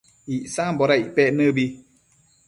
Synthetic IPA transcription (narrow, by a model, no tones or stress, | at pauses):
iʔsambɔɾaipɛʔnəbi